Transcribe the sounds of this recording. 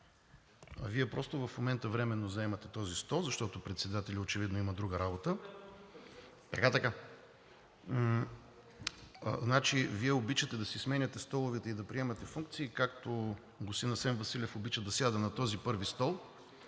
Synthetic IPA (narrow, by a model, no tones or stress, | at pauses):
viɛpɾɔst̪ovɐfmomɛnt̪əvɾɛmɛnːozɐɛmɐt̪ɛt̪ɔzist̪ɔlˠzɐʃt̪ɔt̪opɾɛt̪sɛd̪at̪ɛlʲiot͡ʃɛvid̪noimɐd̪ɾuɡəɾabot̪ə | t̪ɐkat̪ɐka | znat͡ʃiviɛobit͡ʃət̪ɛd̪ɐsɛsmɛnʲɐt̪ɛst̪ɔlˠovɛt̪ɛid̪ɐpɾiɛmɐt̪ɛfuŋk̚t̪siːkak̚t̪o | ɡosinɐsɛnvɐsilʲɛfobit͡ʃəd̪ɐsjad̪ənɐt̪ɔzipɤɾvist̪ɔlˠ